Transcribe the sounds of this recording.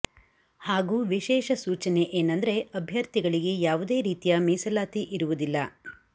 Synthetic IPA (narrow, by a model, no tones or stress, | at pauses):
haːɡuːʋiʃɛːʃɐsuːt͡ʃɐne̞ʔeːnɐnd̪ɐɾe̞ɐbʱjɐɾt̪iɡɐɭiɡe̞jaːʋud̪e̞ːɾiːt̪ijɐmiːsɐlaːt̪iʔiɾuʋud̪ilːɐ